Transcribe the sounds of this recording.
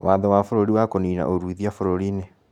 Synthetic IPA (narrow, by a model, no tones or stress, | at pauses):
wʔaːðɔwafoɾoɾiwakoniːna̰ʔoɾuiðiafoɾoɾine